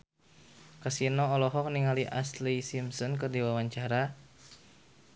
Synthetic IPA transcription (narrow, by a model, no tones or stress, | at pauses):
kasinɔːlɔɦɔk̚niŋaliʔa̰slisimsɔnkərdiwawaɲt͡ʃaɾa